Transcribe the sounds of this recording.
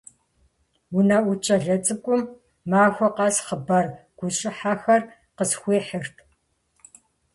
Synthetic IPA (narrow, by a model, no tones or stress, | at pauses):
wunaʔʷʊt͡ʃʰʼɐɮɐt͡sʼɨkʷʼʊmː | aːxʷɔqɑːsχəbɐrɡ̥ʷʊɕʼɪħaːxɐr | qəsxʷeːħərtʰ